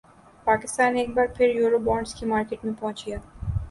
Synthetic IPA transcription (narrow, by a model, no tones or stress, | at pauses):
paːkɪst̪aːneeːk̚baːɾpʰɪɾjuːɾobɔːɾɳɖskimaːɾkeʈmẽpɔ̃ɦʊ̃t͡ʃijaː